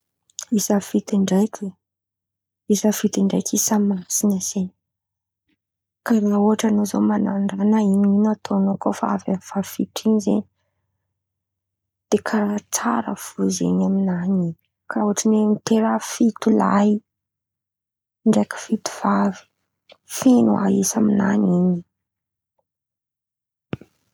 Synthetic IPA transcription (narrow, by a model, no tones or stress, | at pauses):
isəfit̪iɳɖ͡ʐajkʲe | isəfit̪iɳɖ͡ʐa̰jkʰisəmasinəz̥eɲi | kaɾauaʈ͡ʂanozo̰manaɳɖ͡ʐaknainiinat̪ʰonokofaaava̰nifafiʈ͡ʂiɲizḛɲi | d̪̥ekʰaɾat͡saɾə̰fuzḛɲaminanini̥ | kʰauaʈ͡ʂinemit̪eɾafit̪ula̰j | ɳɖ͡ʐekə̥fit̪u̥v̥avi̥ | fenua̰isamina̰nini